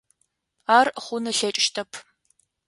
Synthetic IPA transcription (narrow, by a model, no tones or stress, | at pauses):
aːrχʷʊnɨɬɐt͡ʃʼʃtʰɐpʰ